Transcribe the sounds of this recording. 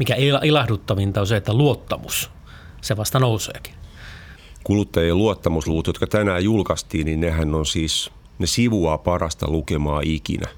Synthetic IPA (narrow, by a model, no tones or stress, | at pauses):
mikæelɑilɑhdut̪ːɑʋint̪ɑoseet̪ːæluot̪ːɑmus | seʋɑst̪ɑnousḛːki̥ | kulut̪ːɑjeluot̪ːɑmusluut̪jot̪kɑt̪ænæːjjulkɑst̪iːnninnehænːonsiːs | nesiʋuɑpɑrɑst̪ɑ̰lukemɑːʔikḭnæ̰